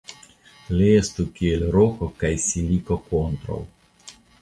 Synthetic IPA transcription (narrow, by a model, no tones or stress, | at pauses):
leest̪ukielɾokokajsilikokont̪ɾo̰w